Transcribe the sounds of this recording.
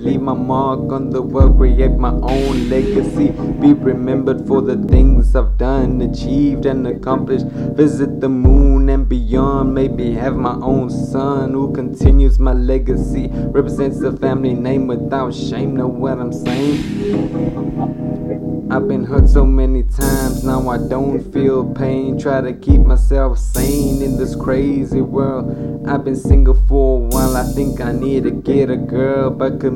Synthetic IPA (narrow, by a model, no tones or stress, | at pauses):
livmaɪmɑɹkə̃n̩ðəwɜɹiɛɪt̚maɪʔõʊ̃nlɛɡɨsib̥iɹɨmɛ̃mbə˞d̥fə˞ðɨθɪ̃ŋzaɪvdʌ̃nɨ̃nɨt͡ʃʰivdɨ̃nɨkʰɑ̃mplɨʃt | vɪzɨt̪̚ðəmũnɨ̃nbɨjɑ̃nmeɪmiɨvmaɪʔõʊ̃nsʌ̃nhukʰɨ̃ntʰɪ̃njʉzmaɪlɛɡɨsiɹɛpɹɨzɛ̃ntsðɨfæ̃mlinẽɪ̃mwɨðaʊtʃẽɪ̃mnoʊwʌɾãɪ̃mseɪɪ̃ŋ | aɪvbɨ̃nɦɜ˞tsoʊmɛnitʰãɪ̃mznaʊaɪdõʊ̃ntfilˠpʰẽɪ̃ntʰɹ̥aɪɾɨkʰip̚maɪsɛlˠfsẽɪ̃ɪ̃nɨ̃nðɪskʰɹ̥eɪziwɜ˞lˠdʔaɪvbɨ̃nsɪ̃ŋɡəfə˞əwaɪlˠaɪθɪ̃ŋkaɪnidd̚tɨɡɛɾɨɡɜ˞lˠbʌt̚kɨ